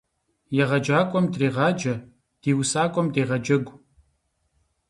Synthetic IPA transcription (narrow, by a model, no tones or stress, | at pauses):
jɛʁɐd͡ʒaːkʷʼɔmdreːʁɑːd͡ʒɐ | d̥iːwsaːkʷʼɔmdeːʁɐd͡ʒɐɡʷ